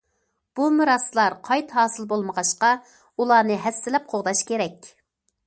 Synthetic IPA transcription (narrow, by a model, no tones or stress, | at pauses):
b̥umɨɾɑslˠɑɾqʰɑjt̪ɦɑːsɨlˠbolˠməʁɑʃqɑ | ulˠɑːnɨɦɛsːɪlɛp̚qʰoʁd̪ɑʃkʲeɾɛkʲ